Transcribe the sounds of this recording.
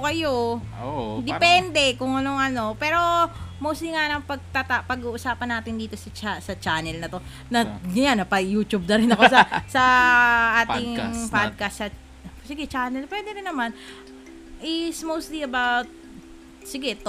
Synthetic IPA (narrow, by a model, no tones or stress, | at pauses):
kɐjo | d̪ɛpɛnd̪ɛkʊŋʔɐno̞ŋʔɐno̞pɛːɾo̞mowsiŋanɐŋpɐɡ̚t̪at̪apɐɡuːʔʊsaːpɐnaːt̪ɪnd̪iːt̪o̞sɐt͡ʃasɐt͡ʃaːnɛlnɐt̪o̞ | nɐɡɐjanːɐpɐjuːt͡ʃub̚nɐɾɪnɐkosɐsɐʔaːtɪŋpad̪̚kɐsːɐ | sɪɡɛt͡ʃaːnɛlpwɛːd̪ɛɾɪnːɐman | ʔɪsmowst̪liɐbawt̪̚ | sɪɡɛt̪